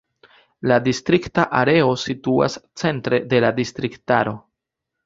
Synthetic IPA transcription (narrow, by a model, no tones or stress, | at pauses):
ladistɾiktaʔaɾe̞o̞situa̰st͡se̞ntɾe̞de̞ladistɾiktaɾo̞